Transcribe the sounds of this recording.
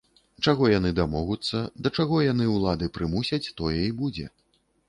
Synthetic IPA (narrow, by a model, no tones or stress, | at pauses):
t͡ʂaɣɔjan̪ɨd̪amɔɣut̪sːɐd̪ɐt͡ʂaɣɔjan̪ɨwlˠad̪ɨpɾɨmusʲɐt͡sʲt̪ɔjɛibud͡zʲɛ̰